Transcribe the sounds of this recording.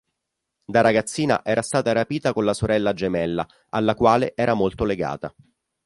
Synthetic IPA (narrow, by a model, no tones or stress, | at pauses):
d̪aɾaɡat̪sːiːna̰ʔɛːɾast̪aːt̪aɾapiːt̪akonlasoɾɛlːad͡ʒemɛlːa̰ | alːakwaːleʔɛːɾʔamolt̪oleɡa̰ːt̪a̰